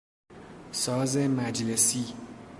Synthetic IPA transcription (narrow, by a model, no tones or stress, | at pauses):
sɒːzemæd͡ʒlesi